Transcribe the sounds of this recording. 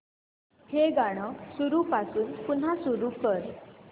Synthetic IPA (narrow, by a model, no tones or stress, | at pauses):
heɡaɽ̃ɔsuɾupasuːnpunɦasuɾupəɾ